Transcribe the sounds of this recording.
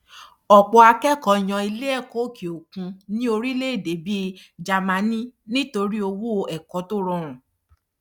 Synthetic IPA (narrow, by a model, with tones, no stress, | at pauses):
ɔ˨k͡pɔ˧a˧kɛ˦kɔ˨˧˦j̃ɔ̃˧i˧le˦ɛ˦˨ko˨˦ki˨o˨kũ˧nĩ˦o˧ɾi˦le˦e˦˨de˨˦bi˦d͡ʒa˨mã˨˧˦nĩ˦nĩ˦to˧ɾi˦o˧wu˦o˧ʔɛ˨kɔ˨˦to˦ɾɔ̃˧˨ɾ̃ɔ̃˨